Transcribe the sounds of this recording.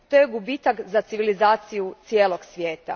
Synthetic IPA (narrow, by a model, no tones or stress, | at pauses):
t̪ojeɡubit̪akzat̪siʋilizaːt̪sijut̪sijeːlˠoɡsʋjeːt̪a̰